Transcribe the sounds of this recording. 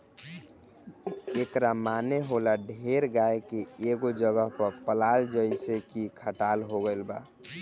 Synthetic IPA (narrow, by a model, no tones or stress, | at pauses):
ekɾamaneɦolaɖʱeɾɡaekeeɡod͡ʒəɡəɦpəɾpəlald͡ʒəisekikʰəʈalɦoɡəlba